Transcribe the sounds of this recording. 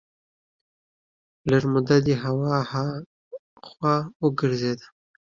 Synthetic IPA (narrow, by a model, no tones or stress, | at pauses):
laɾmʊd̪ad̪iɦawɑha | xwawəɡɪɾzed̪a